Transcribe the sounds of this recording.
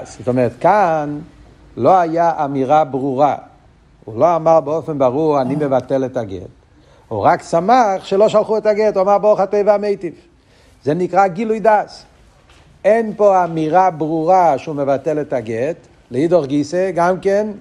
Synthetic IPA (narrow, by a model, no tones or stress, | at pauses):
szotomɛʁɛtkan | loajaʔamiʁabʁuʁa | ṵloamaʁbeofenbaʁuʁanimevateletaɡḛt | ṵʁaksamaχʃeloʃalχuɛtaɡetuamaʁbeoχatejvaamejtif | zenikʁaɡilujdas | enpoamiʁabʁuʁaʃumevateletaɡet | leidoʁɡiseɡamken